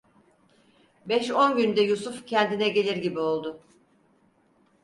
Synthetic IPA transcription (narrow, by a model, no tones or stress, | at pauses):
bɛʃo̞nɟynd̪ɛjusufcʰɛnd̪inɛɟe̞lʲiɾɟibio̞lˠd̪ʊ